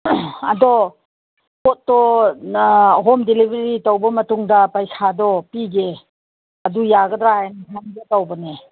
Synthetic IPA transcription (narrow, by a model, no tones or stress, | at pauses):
ɐ̰dɔ | pot̚ːɔ | ɦomdelibʱɐɾitɐwbɐmɐtuŋdɐpajsʰadɔpiɡe | ɐdujaɡɐdɾajniɦʰanbetawbɐne